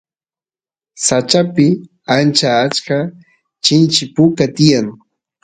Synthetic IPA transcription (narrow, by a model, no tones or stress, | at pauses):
sat͡ʃapɪ | ant͡ʃaːt͡ʃka | t͡ʃɪnt͡ʃɪpʊkat̪ɪjaŋ